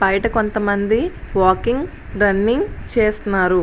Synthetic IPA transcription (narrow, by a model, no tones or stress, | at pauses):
bɐjʈɐko̞nt̪ɐmɐnd̪iʋaːkiŋɡ | ɖɾɐnːiŋt͡ʃeːst̪naːɾu